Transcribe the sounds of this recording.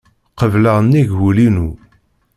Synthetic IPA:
qəvləʁnːiʝulinu

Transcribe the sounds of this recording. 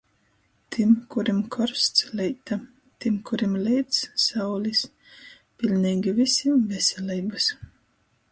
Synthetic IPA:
t̪ʰimkuɾimkʰɔɾst̪slʲɛjt̪a | t̪imkuɾimlʲɛjt̪sːawlʲis | pʲilʲnʲiːɡʲivisʲimvɛsʲɛlʲiːbas

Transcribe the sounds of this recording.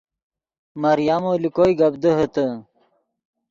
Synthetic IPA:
mɐɾijamolikojɡɐbd̪əɦət̪ə

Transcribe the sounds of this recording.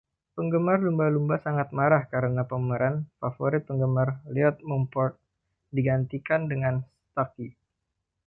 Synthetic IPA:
pəŋɡəmarlumbalumbasaŋat̪̚maɾahkaɾənapəməɾanfafoɾɪt̪̚pəŋɡəmarliɔt̪̚mɔmpɔrt̪̚ | diɡant̪ikandəŋanst̪aki

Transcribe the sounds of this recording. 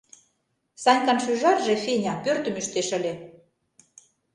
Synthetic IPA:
sɑnʲkɑnʃyʒɑrʒefenʲɑpørt̪ə̆myʃt̪eʃə̆lʲĕ

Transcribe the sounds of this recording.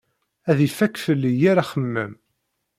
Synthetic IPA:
æðifækːfəlːijaɾaχəmːəm

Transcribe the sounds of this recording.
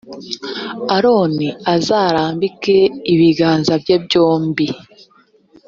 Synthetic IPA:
aɾo̞ːniazaːɾaːmbike̞iβiɡaːnzabjebɟoːmbi

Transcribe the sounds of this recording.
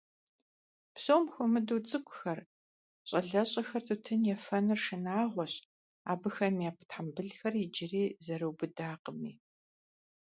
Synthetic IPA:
psoːmxʷʊmɨduːt͡sʼɨkʷʼʊxɐr | ɕʼɐɮɐɕʼɐxɐrtʰɨtʰɨnjɛfɐnɨrʂɨnaːʁʷɔɕ | a̰ːbɨxɐmiaːpʰtʰħambɨɮxɐrid͡ʒɪriːzɐɾɨwbɨdaːqəmḭː

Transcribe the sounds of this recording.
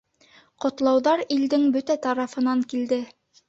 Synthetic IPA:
qŏt̪lˠɑwðɑɾild̪ɘŋbɵt̪æt̪ɑɾɑfɤ̆nɑŋkild̪ɘ

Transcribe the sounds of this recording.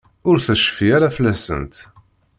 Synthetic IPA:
ʊɾθæʃə̥fiæɾæflæsə̰nt̪

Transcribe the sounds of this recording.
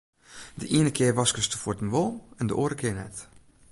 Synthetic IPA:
dəʔiənəkʰɪərʋɑskəstəfotənʋolˠɛndəʔoːəɾəkʰɪəɹnɛt

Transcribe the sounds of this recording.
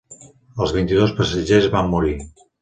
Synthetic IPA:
əlˠzβ̞int̪iðospəsəʒezβamːuɾi

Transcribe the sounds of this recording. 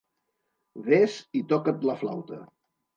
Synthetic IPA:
βezit̪ɔkət̪ləfla̰wt̪ə

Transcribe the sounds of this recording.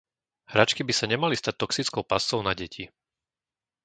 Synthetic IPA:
hɾat͡ʃkibisaɲɛmalist̪ac̚t̪ɔksit͡skɔʊpast͡sɔʊnaɟɛcʰi

